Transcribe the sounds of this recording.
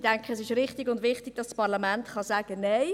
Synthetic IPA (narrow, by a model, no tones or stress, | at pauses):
d̥ɛŋkχəsɪʃɾɪχtɪɡʊndʋɪχtɪɡ̥̚d̥ɑsspɑʁlɑmɛntχɑsæːɡ̥əneɪ